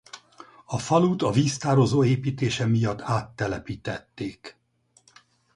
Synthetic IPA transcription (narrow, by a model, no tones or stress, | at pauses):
ɒfɒluːt̪ɒviːst̪aːɾo̞zoːeːpiːt̪eːʃɛmijɒt̪ːaːt̪ːɛlɛpiːt̪ɛt̪ːeːk